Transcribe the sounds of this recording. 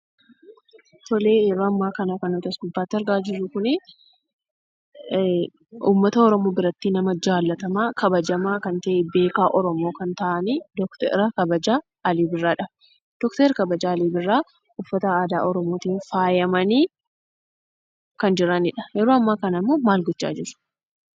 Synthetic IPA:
t̪ɔle̞ːjɛɾoːɐmːaːkɐnakɐnɔt̪ɐsbʊbːaːt̪ːɪɐɾɡaːd͡ʒɪɾːʊkʊne | ṵːmːɐt̪ɐɔɾɔmo̞ːbɪɾɐt̪ːiːnɐmɐd͡ʒaːlːɐt̪ɐmaːkɐbɐd͡ʒɐmaːkɐnt̪ɐʔebe̞ːkaːʔɔɾɔmo̞ːkɐnt̪aːʔɐnid̪ɔkt̪ɛ̰ɾɐkɐbɐd͡ʒaː | ɐliːbɪrːaːᶑɐ | d̪̥ɔkt̪eɾkɐbɐd͡ʒaːliːbɪrːaː | ʊfːɐt̪ɐaːd̪aːɔɾɔmo̞ːt̪iːnfaːjɐmɐniː | kɐnd͡ʒɪɾɐnɪᶑɐ̥jɛɾoːɐmːaːkɐnɐɪmːoːmaːlɡɔt͡ʃːa̰ːd͡ʒɪɾʊ̥

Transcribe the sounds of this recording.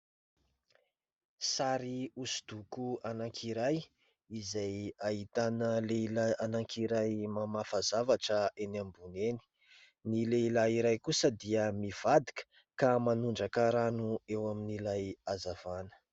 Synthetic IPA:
saɾiusud̪ukuanaŋkʰiɾaj | izajaɦit̪anəleilaanaŋkʰiɾajmamafazavaʈ͡ʂəenambuneni̥ | nileilaiɾajkusəd̪iəmiv̥ad̪ikə̥ | kamanuɳɖ͡ʐakaɾanuewaminilajazavanə̥

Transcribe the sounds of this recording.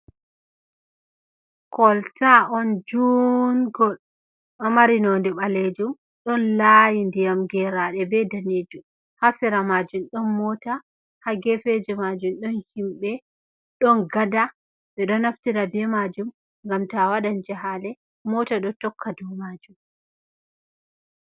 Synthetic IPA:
kɔltʰaɔnd͡ʒunɡɔl | ʔɔmaɾinondɛɓaled͡ʒum | ɗɔnlajindijamɡɛɾaɗɛbɛdaned͡ʒum | hasɛɾamad͡ʒumɗɔnmɔta | haɡɛfed͡ʒɛmad͡ʒumɗɔnhimɓɛ | ɗɔnɡada | ɓɛɗɔnaftiɾabɛmad͡ʒum | ŋɡamtawaɗand͡ʒaɦalɛ | mɔtaɗɔtɔkʰːadumad͡ʒum

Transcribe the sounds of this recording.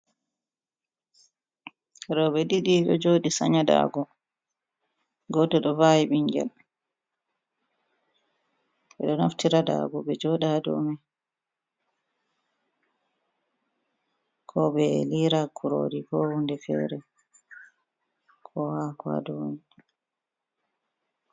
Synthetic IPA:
ɛɗɔɓɛdiɗiɗɔd͡ʒoːɗisa̰ɲada̰ɡɔ | ɡɔtɔɗɔvajiɓiɲɡɛ̰l | ɓɛɗɔnaftiɾada̰ːɡɔɓɛd͡ʒɔɗadɔ̰mɛ | kʰɔbɛliɾakʰuɾo̰dikɔhundɛfɛ̰ːɾɛ | kʰɔhakwa̰dɔni

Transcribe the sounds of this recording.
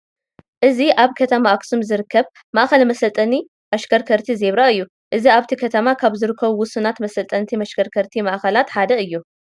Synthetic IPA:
ʔɨziʔaβkʰɐt̪ʰɐmaːksumzɨɾɨkʰːɐβ | maʔxɐlmɐsɐlt̪ʼɐni | ʔɐʃkʰɐɾkʰɐɾt̪ʰizeβɾaɨjːu | ʔɨziaβt̪ʰikʰɐt̪ʰɐmakʰaβzɨɾɨkʰːɐβuwʊsɨnat̪mɐsɐlt̪ʼɐnt̪ʰimɐʃkʰɐɾkʰɐɾt̪ʰimɐʔxɐlat̪ħad̪ɐɨjːu

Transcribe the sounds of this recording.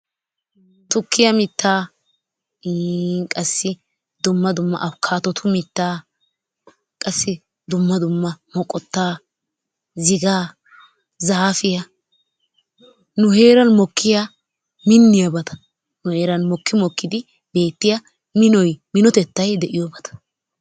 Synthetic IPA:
t̪ʊkʰːɪjɐmɪt̪ːaː | kʼɐsːɪ | d̪ʊmːɐd̪ʊmːɐ̰ʔɐkʰaːt̪ɔt̪ʰʊmɪt̪ːaː | kʼɐsːɪ | d̪ʊmːɐd̪ʊmːɐmɔkʼːɔt̪ːaː | zɪɡaː | zaːfɪjɐ | nʊheːɾɐnmɔkʰːɪja | mɪnːɪjɐbɐt̪ɐ̥ | nʊhe̞ːɾɐnmɔkːɪmɔkːɪd̪ɪ | be̞ːt̪ːɪjɐ | mɪnɔjmɪnɔt̪ɛt̪ːɐjd̪ɛʔɪjɔbɐt̪ɐ̥

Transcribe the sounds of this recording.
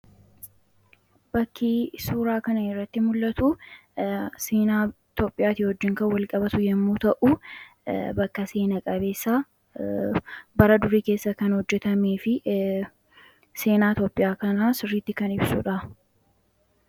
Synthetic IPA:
bɐkʰːiːsuːɾaːkɐnɐɪrːɐt̪ːɪmʊlːɐt̪u | seːnaː | t̪oːpʼːɪjaːt̪ɪhɔd͡ʒːɪŋkɐwɐlkʼɐbɐt̪ʊjɛmːuːt̪ɐʔu | bɐkːɐse̞ːnɐkʼɐbe̞ːsːaː | bɐɾɐd̪ʊɾiːke̞ːsːɐkɐnhɔd͡ʒːɛt̪ɐmeːfɪ | se̞ːnaːt̪oːpʼːɪjaːkɐnaːsɪrːiːt̪ːɪkɐnɪbsʊ̰ᶑɐ

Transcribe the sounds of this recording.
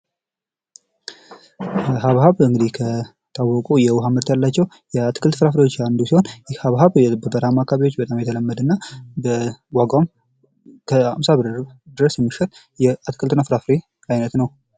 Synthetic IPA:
bɦaβhaβɨŋɡɨd̪ihkʰə | t̪ʰawːɔkʼujɛwʊɦamɨɾt̪jalːat͡ʃːɛw | jɛat̪kʰɨlt̪fɾafɾewo̞t͡ʃːand̪usiho̞njɪhaβɦaβbəbəɾamakʰaβiwo̞t͡ʃːbət̪ʼamjɛt̪ʰələmːəd̪ɨnːabəwaɡam | kʰəha̰msabɨd̪ɨɾəsjɛmːɨʃɛɾ | jɛat̪kʰɨlt̪ɨnafɾafɾe | ajnət̪nəw

